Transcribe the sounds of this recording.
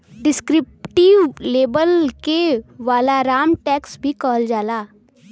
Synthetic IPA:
ɖɪskɾɪp̚ʈiʋːeːbəlkeʋaːlaɾaːmʈɛːksbʱikɔːld͡ʒaːlaː

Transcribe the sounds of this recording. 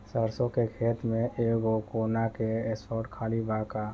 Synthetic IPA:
səɾsõkekʰeːt̪mẽʔeːɡokoːnakeɛsɔːɾʈkʰaːlibaːka

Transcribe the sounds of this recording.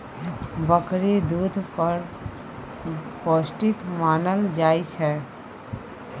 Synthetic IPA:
bəkɾed̪uːd̪ʱpəɾ | poːsʈɪkmaːnəld͡ʒaːit͡ʃʰɛ

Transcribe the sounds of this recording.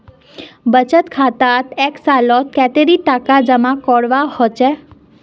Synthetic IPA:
bət͡ʃət̪kʰat̪at̪eksalɔt̪̚kɛt̪eɾit̪akad͡ʒəmãkɔɽʋahɔt͡ʃe

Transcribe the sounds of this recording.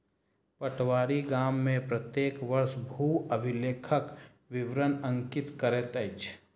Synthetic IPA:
pəʈwaːɾiɡaːmːẽpɾət̪jeːkʋəɾsbʱuːəbʱɪleːkʰək | ʋɪʋɾənə̃ŋkɪt̪kəɾet̪əɪt͡ʃʰ

